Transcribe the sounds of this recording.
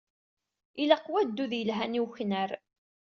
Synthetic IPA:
ilaqːwæd̪ːuðjəlɦæniwçnəɾ

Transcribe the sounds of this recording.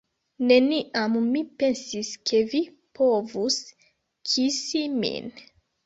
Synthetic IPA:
ne̞niʔamːipensiskʰe̞vi | pʰovus | kʰisimḭn

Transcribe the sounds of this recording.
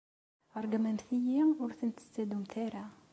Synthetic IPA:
ɑɾˤɡumænθijiʊɾθənt̪ə̥st͡sːæd̪umθæɾæ

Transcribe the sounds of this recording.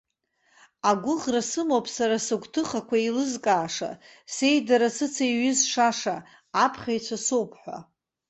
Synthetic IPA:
aɡʷʊʁrasɨmowpʼsaɾasɨɡʷtʰɨχakʷʰailɨzkʼaːʂa̰ | se̞jdaɾasɨt͡sʰajɥɪzʂaʂaː | pʰχʲajt͡ʃʷʰasowpʰħʷa̰

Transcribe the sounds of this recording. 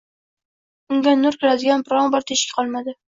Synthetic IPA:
ʊŋɡʲanːʊɾkʲʰɪɾad̪ɪɡʲanbɾɒŋbɒɾt̪ʰeʃkʲḁqʰɒlˠmad̪ɪ

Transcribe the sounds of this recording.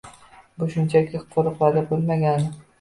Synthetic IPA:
bʊʃʊnt͡ʃʰakʲʰɪqʰoɾɨqvad̪abolˠmaɡʲan

